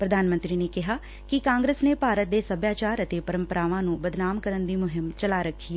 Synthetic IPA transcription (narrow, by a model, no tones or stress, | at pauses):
pɾəd̪ʱaːnmə̃nt̪ɾiːneːkɪɦaː | kɪkãːŋɡɾəsneːpaːɾət̪̚d̪eːsəbʱjaːt͡ʃaːɾət̪eːpəɾə̃mpəɾaːʋãːnũːbəd̪naːmkəɾənd̪iːmʊɦɪmt͡ʃəlaːɾəkʰːiɛː